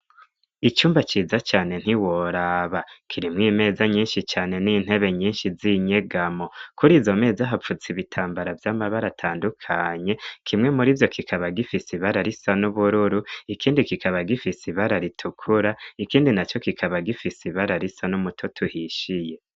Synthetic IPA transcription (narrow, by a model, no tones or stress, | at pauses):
it͡ʃuːmbat͡ʃiːzat͡ʃaːne̞n̥hiwoɾaːβakʰiɾimŋiːme̞ːzaɲiːnʃit͡ʃaːne̞niːn̥he̞βe̞ɲiːnʃiziɲe̞ɡamo̞kuɾiːzo̞me̞ːzaɦap͡fut͡siβitʰaːmbaɾavjaːmaβaɾatʰaːndukʰaɲe̞kʰimŋe̞muɾivjo̞kʰikʰaβaɡifisiβaɾaɾisanuβuɾuɾuikʰiːndikikʰaβaɡifisiβaɾaɾitʰukʰuɾaikiːndinat͡ʃo̞kikʰaβaɡifisiβaɾaɾisanumutʰotʰuhiʃije̞